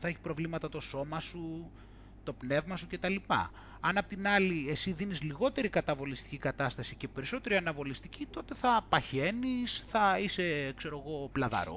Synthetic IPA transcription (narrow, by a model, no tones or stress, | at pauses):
θɐeçi̥pɾo̞vlimɐt̪ɐt̪o̞so̞mɐsu | t̪o̞pne̞vmɐsuce̞t̪ɐlipɐ̰ | ɐnɐpot̪inɐlie̞siðinizliɣo̞t̪e̞ɾikɐt̪ɐvo̞list̪i̥cikɐt̪ɐst̪ɐsice̞pe̞ɾisot̪e̞ɾiɐnɐvo̞list̪icit̪o̞t̪e̞θɐpɐçe̞nisθɐise̞kse̞ɾo̞ɣo̞plɐðɐ̰ɾo̰